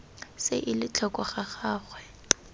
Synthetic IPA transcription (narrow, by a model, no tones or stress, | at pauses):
seʔɪlɪt͡ɬʰɔkʼɔχaχaːχwɛ